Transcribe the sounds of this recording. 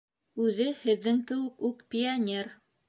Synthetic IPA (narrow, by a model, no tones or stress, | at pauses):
ʉðɘhɘ̆ðːɘŋt̪ɘ̆wɘkʉkpʲɪanʲer